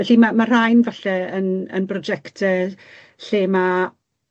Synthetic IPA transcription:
ɛɬimamar̥ajnvaɬɛənə̰nbrɔd͡ʒɛktʰə | ɬeːma

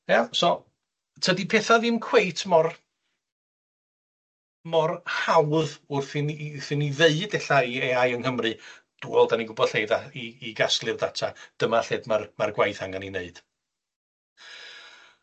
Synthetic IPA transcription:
jasɔ | tʰədipʰeːθaðɨmkʰwejtʰmɔr | mɔrhawðʊrθɪnθɪniveɨdɛɬaieajəŋhəmrɨ | d̥uːɔlˠdaniɡʊbɔd̥ɬhejðaiːɡasklˠɨrdatʰad̥əmaɬeːdmarmarɡwajθaŋanineɨd̥

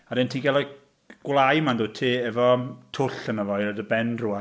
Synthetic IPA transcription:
aɾɪntʰiːnɡɛlˠak | ɡ̥wlˠajmandoːtʰiːɛvɔtʰʊɬənəvɔjɾədəbɛndrua

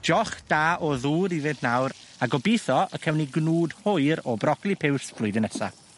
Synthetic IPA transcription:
d͡ʒɔχd̥aːɔðuːɾiðɪntnawɾaɡɔbiθɔəkʰɛwniɡnuːdhʊɨɾɔbrɔɡlˠipʰɪwsb̥lˠʊjdɪnɛsa̰

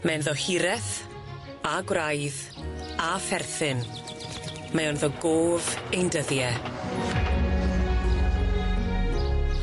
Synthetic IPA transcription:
mɛnðɔhɪɾɛθ | aɡwrajð | afɛrθɪn | mɛɔnðɔɡoːvejndəðjɛ

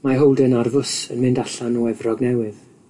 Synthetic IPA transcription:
maɦowlˠdənarvʊsə̰nmɪndaɬanɔɛvrɔɡnɛwɪð

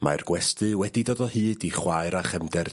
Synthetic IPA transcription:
ma̰rɡ̥wɛstɨwɛdidoːdɔhɨːdiχwaɨɾaχɛmdɛr

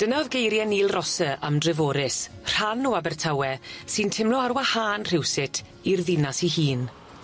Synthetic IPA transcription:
d̥ənaɔðɡejɾjɛniːlˠrɔsəamdrɪvoːɾɪsr̥anuabɛrtʰawɛsɨntʰɪmlɔaɾwahaːnr̥ɪwsɪtʰ | irðɪnasihiːn

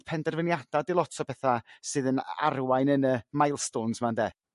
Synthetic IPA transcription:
pʰɛndɛrvənjad̥adɪlˠɔtʰɔpʰɛθasɨːðəna̰rwajnənəmajlˠstoːnsmandeː

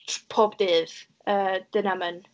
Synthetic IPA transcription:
pʰoːbdeːð | əːd̪̥ənamən

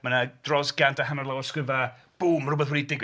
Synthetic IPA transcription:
manad̥rɔsɡantʰaɦamərlˠawɔrskɪva | b̥uːmr̥ʊbɔðwɛnidɪɡ

